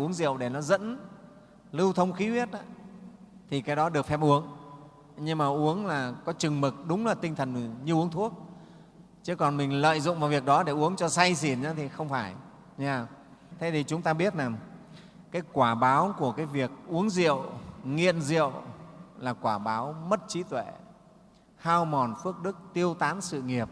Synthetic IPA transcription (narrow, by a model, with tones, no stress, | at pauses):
ʔəŋzḭ˧˨əwɗe˧˩nɔ˨˦zə̰˧˥n | lɨ˧wt̪ʰə˧wŋ͡mxi˨˦wi˦˥ət̚a˧˦ | t̪ʰi˨˩kaː˨˦jɗɔ˨˦ɗɨ˨˩ək̚fɛ˦˥p̚ʔu˨˦əŋ | ɲɨ˧ŋmaː˨˩ʔu˨˦əŋlaː˨˩kɔ˨˦t͡ɕɨ˨˩ŋmɨ˨˩k̚ɗʊ˨˦ŋ͡mlaː˨˩t̪ï˧ŋt̪ʰə˨˩n˨˩ɲɨ˧ʔu˨˦əŋt̪ʰu˦˥ək̚ | t͡ɕɨ˨˦kɔ˨˩nmï˨˩ŋ̟lə̰ː˧˨jzʊ̰˧˨ŋ͡mvaː˨˩wvi˨˩ək̚ɗɔ˨˦ɗe˧˩ʔu˨˦əŋt͡ɕɔ˧sa˧jsi˧˩nɲaː˨˦t̪ʰi˨˩xə˧wŋ͡mfaː˧˩j | ɲaː˧˩ | t̪ʰe˨˦t̪ʰi˨˩t͡ɕʊ˨˦ŋ͡mt̪aː˧ɓi˦˥ət̚naː˨˩ | kaː˨˦jkwaː˧˩ɓaː˨˦wku˧˩əkaː˨˦jvi˨˩ək̚ʔu˨˦əŋzḭ˧˨əwŋḭ˧˨ənzḭ˧˨əwlaː˨˩kwaː˧˩ɓaː˨˦wmə˦˥t̚t͡ɕi˨˦t̪we˧˩˨ | haː˧wmɔ˨˩nfɨ˦˥ək̚ɗɨ˦˥k̚t̪i˧əwt̪aː˨˦nsɨ̰˧˨ŋi˨˩əp̚